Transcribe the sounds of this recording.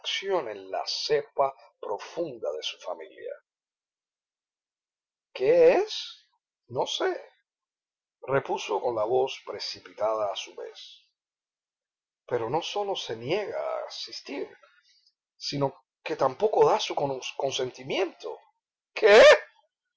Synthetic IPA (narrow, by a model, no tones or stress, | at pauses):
ksjo̞nẽ̞nla̰se̞pa | pɾo̞fund̪aðe̞su̥familja̰ | kees | no̞se | re̞puso̞ko̞nlaβo̞spɾe̞sipit̪aðaːsuβe̞̰s | pe̞ɾo̞no̞so̞lo̞se̞nje̞ɣa̰sist̪iɾ | sino̞ | ke̞t̪ampo̞ko̞ðasukoko̞nsẽ̞nt̪imjẽnt̪o̞̰ | kʰees